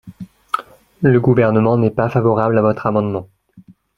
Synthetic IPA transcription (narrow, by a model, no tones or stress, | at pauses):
ləɡuvɛʁnəmɑ̃nɛpafavɔʁablavɔt̪χamɑ̃d̪mɑ̃